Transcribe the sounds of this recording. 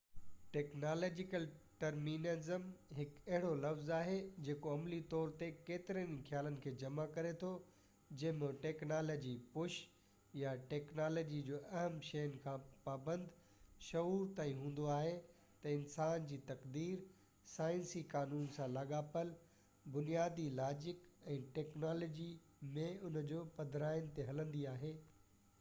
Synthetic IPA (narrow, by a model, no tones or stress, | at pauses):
ʈeːknaːlɔːd͡ʑɪkəlʈɐɾmiːnezəmɦɪkɐɦɪɽolɐfzaːɦed͡ʑeːkoɐmlit̪ɔːɾt̪ekeːt̪ɪɾənkʰjaːlənɪ̆kʰeːd͡ʑɐmakɐɾet̪ʰo | d͡ʑɐ̃ɦɪ̃mẽʈeːknaːloːd͡ʑipʊʃ | jaʈeːknaːloːd͡ʑid͡ʑoːʔɐɦəmʃɐjənɪ̆kʰãːpaːbə̃nd̪ | ʃɐuːɾt̪aːĩɦũːn̆d̪oaːɦe | t̪ɐɪnsaːnd͡ʑiːt̪ɐqd̪iːɾ | saːɪ̃nsikaːnuːnsãlɐɠaːpəl | bʊnijaːd̪ilaːd͡ʑɪkɛ̃ːʈɛːknaːloːd͡ʑi | mẽʊn̤d͡ʑoːpɐd̪ʱɾaːɪənɪt̪eɦɐlə̃nd̪iaːɦeː